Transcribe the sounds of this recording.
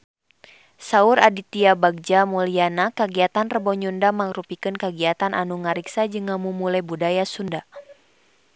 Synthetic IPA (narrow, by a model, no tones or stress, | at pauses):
sauɾadit̪iabaɡ̚d͡ʒamulianakəɡiat̪anrəbɔɲundamaŋrupikɨnkəɡiat̪anʔanuŋaɾiksad͡ʒɨŋamumulabudajasunda